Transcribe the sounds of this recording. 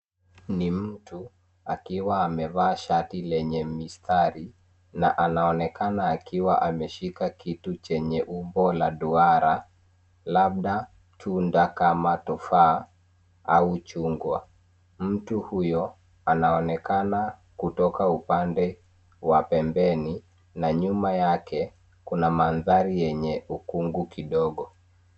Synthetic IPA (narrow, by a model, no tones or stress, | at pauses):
nim̩tu | akiwaːmɛvaːʃatilɛɲɛmistʰaɾi | naʔanaɔnɛkanaːkiwaʔamɛʃikakitut͡ʃɛɲɛʔumbɔlaɗuaɾa | laɓ̚ɗa | tʰundakamatɔfa | aut͡ʃuŋɡwa | m̩tuhujɔ | anaɔnɛkana | kutɔkaupandɛ | wapɛmbɛni | naɲumajakʰɛ | kunamanðaɾijɛɲɛukuŋɡukiɗɔɠɔ